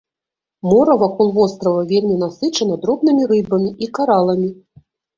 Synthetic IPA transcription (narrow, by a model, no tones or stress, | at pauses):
mɔɾɐvakɔlˠvɔst̪ɾɐvɐvʲelʲmʲin̪asɨt͡ʂɐnɐd̪ɾɔbnɨmʲiɾɨbɐmʲiʔikaɾalˠɐmʲi